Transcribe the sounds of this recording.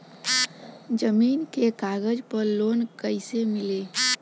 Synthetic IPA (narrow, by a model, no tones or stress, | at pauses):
d͡ʒəmiːnkekaɡəd͡ʒpəɾlonkəɪsemile